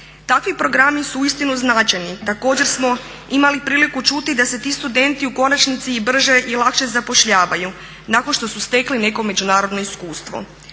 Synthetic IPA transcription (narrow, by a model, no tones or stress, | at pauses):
t̪akʋipɾo̞ɡɾamisuuist̪inuznaːt͡ʃajnit̪ako̞ːd͡ʑe̞ɾsmo̞ | imalipɾiːlikut͡ʃut̪id̪ase̞t̪iːst̪ud̪e̞nt̪iuko̞nat͡ʃnit̪sibr̩ʒe̞ʔilˠakʃe̞zapo̞ʃʎaːʋaju | nakonʃt̪o̞sust̪e̞kline̞ko̞me̞d͡ʒunaːɾo̞d̪noiskuːst̪ʋo̞̰